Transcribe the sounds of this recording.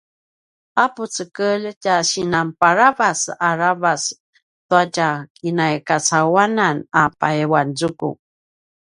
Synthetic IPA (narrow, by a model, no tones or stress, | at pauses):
aput͡səkəlcaɕinampaɾavasaɾavas | tuacakinajkat͡sawananapa̰ewand͡zukṵ